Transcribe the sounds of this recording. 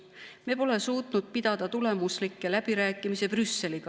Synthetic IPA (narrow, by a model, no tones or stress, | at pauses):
mepo̞le̞suːt̪ˑnud̪̥̚pid̪̥ɑd̪̥ɑt̪ule̞muslikːˑe̞læb̥iɾæːkːˑimise̞prysːe̞liɡ̥ɑ